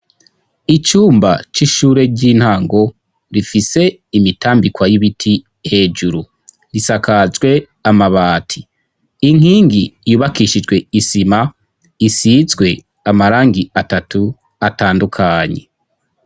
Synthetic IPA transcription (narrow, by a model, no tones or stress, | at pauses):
it͡ʃuːmba̰t͡ʃiʃuːɾe̞ɾɟiːn̥haːŋɡo̞ | ɾifise̞ | imitaːmbikwajiβitʰi | he̞ːd͡ʒuɾu | ɾisakazɡwe̞ | amaβaːtʰi | iŋ̥hiːŋɡijuːβakiʃid͡ʒwe̞isima | isizɡwe̞ | amaɾaːŋɡiatatu | ataːndukʰaɲe̞̰